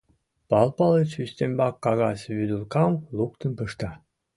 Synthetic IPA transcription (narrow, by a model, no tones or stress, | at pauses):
pɑlˠpɑlˠət͡ɕysʲt̪embɑkːɑɣɑsʲβyd̪ulkɑwlˠukt̪ə̆npəʃt̪ɑ